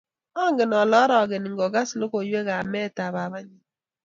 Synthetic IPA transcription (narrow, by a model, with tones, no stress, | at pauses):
ɔ˦ŋɡɪ˨nɔ˨lɔ˦ɾɔ˨ɡɪ˨nɪ˨ŋ˦ɡɔ˨ɡa˦slo˦ko˨jwe˦ɣa˨mɛ˦˨ta˨βa˨βa˦ɲi˦